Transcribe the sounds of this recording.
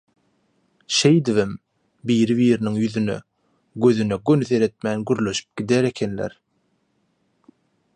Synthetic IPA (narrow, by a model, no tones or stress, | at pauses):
ʃe̞jd̪ivim | biːɾiβiːɾiniŋjyðynø̰ | ɡøðynøɡønyθe̞ɾe̞t̪̚mæːnɡyɾlø̞ʃy̥p̚ɡ̥id̪eɾe̞kʰe̞nlḛɾ